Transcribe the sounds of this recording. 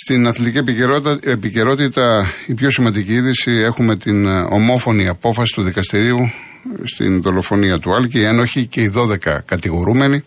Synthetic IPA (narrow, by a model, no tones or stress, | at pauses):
st̪inɐθlit̪iciepice̞ɾo̞t̪it̪ɐipço̞simɐnd̪iciiðisie̞xume̞t̪ino̞̰mo̞fo̞niɐpo̞fɐsi̥t̪uðikɐst̪iɾiu | st̪ḭnðo̞lo̞fo̞niɐt̪uɐlcieno̞çice̞iðo̞ðe̞kɐ̰kɐt̪iɣo̞ɾume̞ni